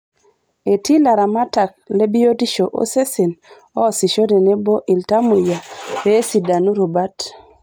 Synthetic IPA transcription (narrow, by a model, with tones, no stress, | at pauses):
e˨ti˦la˨ɾa˨ma˦ta˨k̚le˦bi˦jo˦ti˦ʃo˨ʔo̰˦se˦se˨n | ɔ˦si˨ʃo˦de˨ne˦bo˦ʔi˨lta˦mu˨ja˨we˦si˨da˨nu˦ɾo˨ba˦t